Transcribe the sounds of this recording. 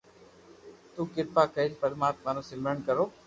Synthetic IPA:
t̪uːkɪɽpaːkəeːlpəɽmaːt̪maːnõːsɪmɾəɳkəɾoː

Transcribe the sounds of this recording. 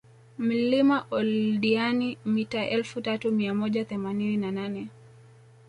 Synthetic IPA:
m̩limaʔɔlɗianimitaʔɛlfutatumiamɔʄaθɛmanininananɛ

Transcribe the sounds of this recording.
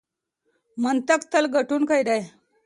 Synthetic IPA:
mənt̪əkt̪əlɡʱəʈuːnkəjd̪aj

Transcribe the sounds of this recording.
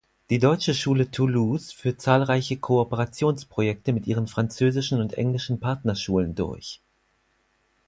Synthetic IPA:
d̥iːdɔʏt͡ʃəʃuːlətʰuluːsfyːɐt̚t͡saːlʁaɪçəkʰoːpəʁat͡sjoːnspʁ̥ojɛk̚təmɪtʔiːʁ̞ənfʁ̥ant͡søːzɪʃn̩ʊntʔɛ̰ŋlɪʃn̩pʰaɐtnɐʃuːləndʊ̰ɐç

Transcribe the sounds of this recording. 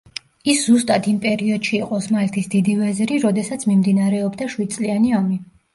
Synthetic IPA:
iszust̪ʼad̪ʰimpʼɛɾiɔd̪̥ʃiːqʼɔsmalt̪ʰisd̪id̪ivɛzɾiɾɔd̪ɛsat̪sʰmimd̪inaɾɛɔbd̪aʃwid̪̚tsʼlianiami

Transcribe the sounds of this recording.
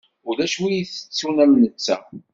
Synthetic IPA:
ʊlæʃwijiθə̥t͡sːunæmnət͡sːæ̰

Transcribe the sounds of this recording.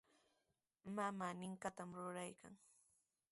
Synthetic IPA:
mamanɪŋkat̪amɾʊɾajka̰ŋ

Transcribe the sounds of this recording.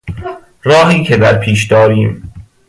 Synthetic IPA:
ɾɒːɦiːcʰed̪æɾpʰiːʃd̪ɒːɾiːm

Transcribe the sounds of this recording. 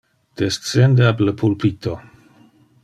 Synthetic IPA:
d̪̥est̪t͡send̪eabləpʰulpit̪o

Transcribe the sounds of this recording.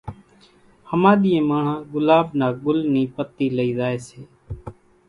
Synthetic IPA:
həmãːɗ̪ijẽːmaːɳ̤ãːɡʊlaːɓnaːɡʊlniːpət̪ːiːləiːzaːeːseː

